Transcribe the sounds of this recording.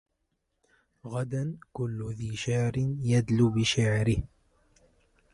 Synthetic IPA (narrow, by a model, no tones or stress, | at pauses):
ɣad̪ankʊlːðiːʃaʕɾɪnjad̪lʊbɪʃaʕɾɪh